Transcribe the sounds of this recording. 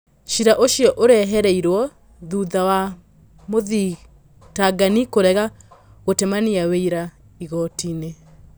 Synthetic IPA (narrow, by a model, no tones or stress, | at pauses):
ʃiɾaʔoʃjɔʔoɾɛɦɛɾɛiɾwɔ | ðuðawa | moði | taɡanikoɾɛɣa | ɣotemaniaweiɾa | iɣɔtine